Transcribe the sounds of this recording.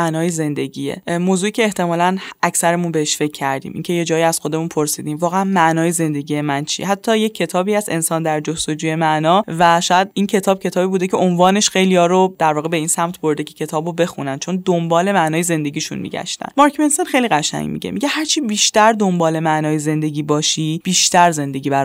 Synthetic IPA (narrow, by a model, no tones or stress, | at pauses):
nɒːjeze̞nd̪e̞ɟʲiːjḛmoːzuːiːcʰe̞ːht̪e̞mɒːlænæcsæɾemunbeheʃfe̞cʰːæɾd̪ḭmḭːncʰʲe̞je̞d͡ʒɒːiæz̥xo̞d̪e̞munpʰoɾsiːd̪iːmvɒːɣeænmæʔnɒːjeze̞nd̪e̞ɟiːje̞mænt͡ʃʰḭeɦæt̪ʰːɒːje̞cʰːe̞t̪ʰɒːbiːæze̞̰nsɒːnd̪æɾd͡ʒost̪o̞d͡ʒuːje̞mæʔnɒːvæʃɒːjæd̪incʰe̞t̪ʰɒːb̥̚cʰe̞t̪ʰɒːbiːbuːd̪ecʰe̞onvɒːne̞ʃxe̞jliɒːɾod̪̥æɾvɒːɣebeiːnsæmt̪ʰbo̞ɾd̪ecʰe̥cʰe̞t̪ʰɒːbobe̞xṵnænt͡ʃʰo̞nd̪ombɒːle̞mæʔnɒːjeze̞nd̪e̞ɟiːʃṵnmḭɟæ̰ʃt̪æ̰nmɒːɾkʰmensenxejliɣæʃæ̰ŋmḭɟḛmiɟe̞hæɾt͡ʃʰibiːʃt̪æɾd̪o̞mbɒːle̞mæʔnɒːjeze̞nd̪e̞ɟʲiːbɒːʃib̥iːʃt̪æɾze̞nd̪e̞ɟiːbæɾ